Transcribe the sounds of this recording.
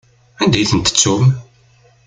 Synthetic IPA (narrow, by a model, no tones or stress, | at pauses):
ænd̪æjθənt̪ə̥t͡sːum